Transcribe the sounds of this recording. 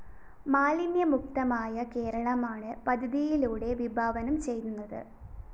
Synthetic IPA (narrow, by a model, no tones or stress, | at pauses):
maːlinjɐmuk̚t̪ɐmaːjɐke̞ːɾɐɭɐmaːɳɨpɐd̪ʱɐðijiluːɽe̞ʋibʱaːʋɐnɐmt͡ɕe̞jt̪unːɐðɨ̰